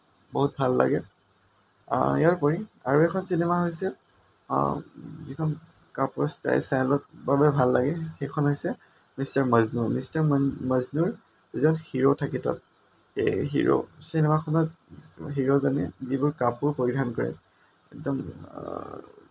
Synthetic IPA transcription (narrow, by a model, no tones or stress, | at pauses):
boɦut̚bʱalːa̰ɡɛ | jaɹpɔɹiaɹuɛkʰɔnsinɛmaɦojsɛ̰ | zikʰɔn | kapuɹsta̰jsanlɔt̚babɛbʱalːaɡɛxɛkʰɔnɦojsɛ | mistaɹmaznuɹmistaɹməznuɹ | izɔnxiɹotʰakitɔ̰t̚ | ɦḭɹo̰sinɛmakʰɔnɔt | ɦiɹozɔnɛ̰zibʊɹkapuɹpoɹidʱankɔɹɛ̰ | ɛ̰k̚dɔm